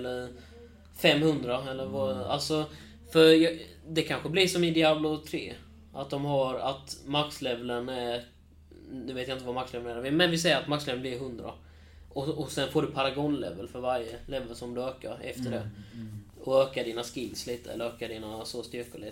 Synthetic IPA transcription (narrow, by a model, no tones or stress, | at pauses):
ɛlːəɾ | fɛmːhɵnd̪ɾaɛlːəɾvaa̰lsɔ | fœɾj | d̪ɛkʰanɧəblɪʂɔmɪd̪ɪablʊt̪ʰɾḛː | ʔat̪̚d̪ɔmɦaɾat̪makslɛvlənæɾ | nʉːveːt̪jaɪnt̪əvamakslɛvənævɪmɛnvɪsɛjːəɾat̪makslɛvlənblɪɾɦɵnd̪ɾa̰ | ʔɔɔsɛnfoːɖɵpʰaɾaɡɔnlɛ̰vəlfœɾvaɾjəlɛvəlsɔmd̪ɵøːka̰ɾɛ̰ft̪əɖɛ | ɔøːkaɖiːnaskɪlːsliːt̪əɛlːəɾøːkaɖiːnasost̪ʏɾkʊlɪ